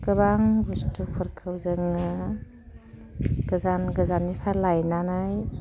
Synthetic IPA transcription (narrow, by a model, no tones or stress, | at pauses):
kɯβaŋbustupʰɯɾkʰawzɯŋɯ | ɡ̥ɯzanɡɯzanːipʰalajnanɯj